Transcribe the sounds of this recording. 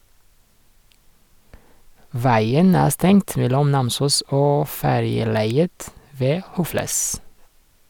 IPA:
ˈʋæɪən ˈæː ˈstɛŋt ˈʋɛlɔm ˈnɑmsuːs ˈoː ˈfæɾjəˌlæɪət ˈʋeː ˈhʊfləs

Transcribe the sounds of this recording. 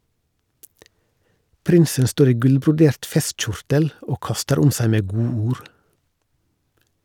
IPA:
ˈpɾɪnsən ˈstoːɾ ˈiː ˈɡʉlbɾʊˌdeːɾt ˈfɛstˌc͡çʊɾtəl ˈoː ˈkɑstəɾ ˈʊm ˈsæɪ ˈmeː ˈɡuːuːɾ

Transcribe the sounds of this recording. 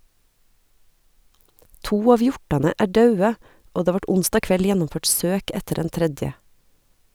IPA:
ˈtuː ˈɑːʋ ˈjɔʈɑnə ˈæː ˈɖɑʉə ˈoː ˈdeː ˈʋɑʈ ˈʊnstɑː ˈkʋɛl ˈjænʊmˌføːʈ ˈsøːk ˈɛtəɾ ˈdɛn ˈtɾɛdjə

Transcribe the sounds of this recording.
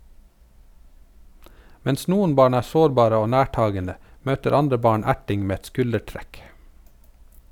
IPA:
ˈmɛns ˈnuːən ˈbɑːɳ ˈæːɾ ˈsoːɾˌbɑːɾə ˈoː ˈnæːˌʈɑːɡənə ˈmøːtəɾ ˈɑndɾə ˈbɑːɳ ˈæʈɪŋ ˈmeː ˈɛt ˈskʉləˌʈɾɛk

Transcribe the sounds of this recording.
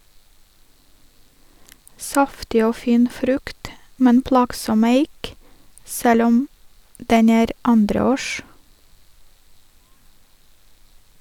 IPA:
ˈsɑftɪ ˈoː ˈfiːn ˈfɾʉkt ˈmɛn ˈplɑːɡsɔm ˈæɪk ˈsɛl ˈɔm ˈdɛn ˈæːɾ ˈɑndɾəˌoːʃ

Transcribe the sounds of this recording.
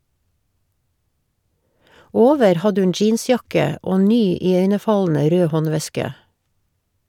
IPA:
ˈoːʋəɾ ˈhɑdə ˈʉn ˈd͡ʒiːnˌsjɑkə ˈoː ˈnyː ɪˈœʏnəˌfɑln̩ə ˈɾøː ˈhɔnˌʋɛskə

